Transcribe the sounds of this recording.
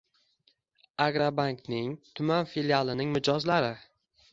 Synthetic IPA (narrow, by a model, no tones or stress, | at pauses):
aɡɾabaŋknɪŋt̪ʰʊmanfiljalˠɪnɪŋmɪd͡ʒɒzlaɾɪ